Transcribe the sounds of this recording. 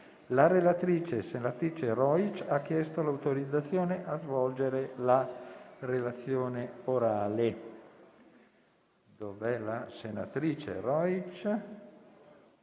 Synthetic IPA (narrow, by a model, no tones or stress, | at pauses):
laɾelat̪ɾiːt͡ʃesenat̪ɾiːt͡ʃerɔjt͡ʃakːjɛst̪olawt̪oɾid̪zːat̪sːjoːneʔazvɔld͡ʒeɾelarelat̪sːjoːneoɾaːle | d̪ovɛlasena̰t̪ɾiːt͡ʃḛrɔjt͡ʃ